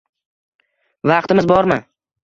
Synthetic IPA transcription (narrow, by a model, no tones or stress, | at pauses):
vɑqt̪ɪmɪzbɒɾma